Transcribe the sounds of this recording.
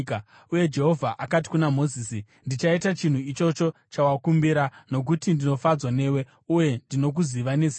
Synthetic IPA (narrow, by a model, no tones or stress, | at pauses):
k | ujed͡ʒe̞ɦo̞vʱaʔakati̥kunamo̞ziːsi | ndit͡ʃaitat͡ʃin̤uit͡ʃo̞t͡ʃo̞t͡ʃawakumbiɾano̞k̬utindino̞fad͡zwane̞we̞ | uje̞ndino̞k̬uziʋane̞zi